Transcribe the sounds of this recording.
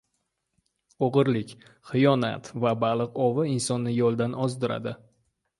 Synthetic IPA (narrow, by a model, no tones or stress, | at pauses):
oʁɨɾlɪkʲ | χɨjɒna̰t̪vabalˠɨqɒvɪɪnsɒnːɪjɒlˠd̪anɒzd̪ɪɾa̰d̪ɪ